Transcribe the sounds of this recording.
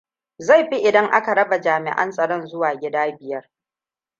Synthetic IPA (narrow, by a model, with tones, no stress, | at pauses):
za˦˨jɸi˦ʔɪ˨dɐ˦ŋʔa˦ka˨ɾɐ˦ba˨d͡ʒaː˨mɪ̰˨ʔɐ̰˦nsʼɐ˨ɽɔ˦nzʊ˦waː˨ɡʲɪ˦daː˦bɪ˨jɐ˦r